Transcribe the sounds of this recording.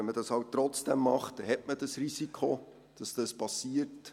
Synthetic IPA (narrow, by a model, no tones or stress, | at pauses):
ɛnmədɑshɑwtːɾɔt͡sd̥ɛmːɑχt̚ɛhɛtmədɑsrisikχo | d̥ɑsd̥ɑspɑsiərt